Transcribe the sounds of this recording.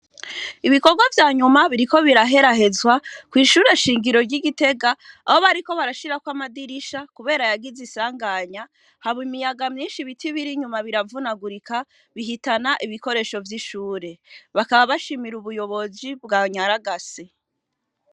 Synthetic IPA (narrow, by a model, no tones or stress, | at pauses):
iβiko̞ɾɡwavjaːɲumaβiɾiko̞βiɾaɦe̞ɾaɦe̞zwakwiːʃuːɾeʃiːŋɡiɾo̞ɾɟiɡite̞ɡaaho̞βaɾiko̞βaɾaʃiɾakwamadiɾiʃakuβe̞ːɾajaɡizisaːŋɡaɲa | haβoimijaɡamɲiːnʃiβitiβiɾiɲumaβiɾavunaɡuɾika | βiɦitanaʔiβiko̞ɾe̞ːʃo̞vjiʃuːɾe̞βakaβaβaʃimiɾuβujo̞βo̞zibɡaɲaɾaɡasi